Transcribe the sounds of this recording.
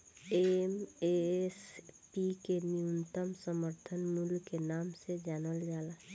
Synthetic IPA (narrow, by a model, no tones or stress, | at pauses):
emespikenijunt̪əmsəməɾt̪ʰənmulkenaːmsed͡ʒaːnəld͡ʒaːla